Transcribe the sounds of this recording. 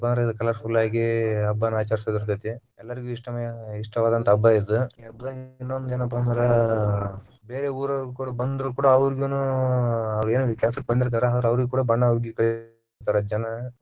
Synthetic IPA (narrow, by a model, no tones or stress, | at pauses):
ɐbɐnd̪ɾeid̪ukɐlaɾpʰulːaːɡiɐbːɐnaːt͡ʃaːɾisɐd̪iɾt̪ɐt̪ːi | ɛlːɐɾiɡuːiʂʈɐmɐjɐiʂʈɐʋaːd̪ɐnt̪ɐbːajid̪uɐbd̪aːɡinːuond̪d͡ʒenɐp̬ːɐnd̪ɾe | beːɾeuːɾɐkuːɽɐbɐnd̪ɾɐkuːɽɐɐʋɐɾiɡunu | ɐʋɐɾeːnuʋit̪jaːsɐk̚ːbɐɳd̪iɾt̪aːɾeaːd̪ɾeɐʋɐɾiɡkuːɽɐbɐɳːɐʋɾɡukɐɭ | t̪ːaːɾɐd͡ʒɐnɐ